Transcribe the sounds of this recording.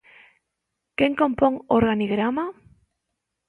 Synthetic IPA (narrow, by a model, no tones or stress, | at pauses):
keŋkõmpoŋoɾɣaniɣɾama